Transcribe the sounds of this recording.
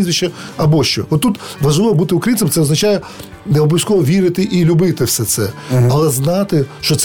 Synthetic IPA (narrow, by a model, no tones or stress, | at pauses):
izʋʲiʃʲɐ | ɐbɔʃt͡ʃɔ̰ʋɔt̪ːut̪ | ʋɐʒlˠɪʋɔbut̪ɪʊkɾɐjinʲɐmt̪sɛɔznɐt͡ʃajɛ | neɔbɔʋʲjsʲkɔʋɔʋʲiɾɪt̪ɪʔilʲʊbɪt̪ɪwsɛt̪sɛ̰ɐlˠɛznɑt̪ɪʃt͡ʃɔt̪s